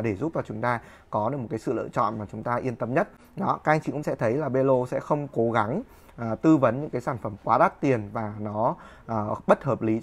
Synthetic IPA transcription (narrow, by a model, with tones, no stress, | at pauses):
ɗe˧˩zu˦˥p̚t͡ɕɔ˧˩t͡ɕʊ˨˦ŋ͡mt̪aː˧ | kɔ˨˦ɗɨ˨˩kmo˨˩t̚kːaː˨˦jsɨ̰˧˨lə̰ː˧˨t͡ɕɔ̰˧˨nmaː˨˩t͡ɕʊ˨˦ŋ͡mt̪aː˧ʔi˧ənt̪ə˧mɲə˦˥t̚ | nɔ˨˦ka˦˥ʔjŋt͡ɕḭ˧˩kʊ̰˧˥ŋ͡msɛ̰˧˥t̪ʰə˨˦jlaː˨˩ɓe˧lo˧sɛ̰˧˥xə˧wŋ͡mko˨˦ɣa˨˦ŋ | ʔːt̪ɨ˧və˨˦nɲɨ̰˧˥kaː˨˦jsaː˧˩nfə˧˩mkwaː˧˦ɗa˦˥k̚t̪i˨˩ənvaː˨˩nɔ˨˦ | ʔəː˨˩ɓə˦˥t̚həː˨˩p̚li˨˦